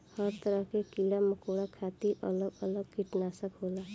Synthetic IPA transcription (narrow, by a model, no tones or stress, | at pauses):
hʌɾt̪ʌɾʌɦkekilaməkoɽakʰat̪iʔʌ̰lʌɡʌlʌɡ̚kiʈnasʌkɦola